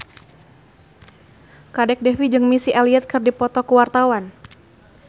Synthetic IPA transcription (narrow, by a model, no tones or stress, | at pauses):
kadɛk̚dɛfid͡ʒɨŋmisiʔaliɛt̪̚kɨrdipɔt̪ɔkuwart̪awan